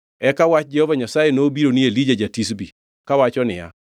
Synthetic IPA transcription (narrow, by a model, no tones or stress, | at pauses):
ɛkawat͡ʃ̚d͡ʒɛhovaɲasajenoːbiɾonielid͡ʒad͡ʒatis̬bi | kawat͡ʃɔnɪja̰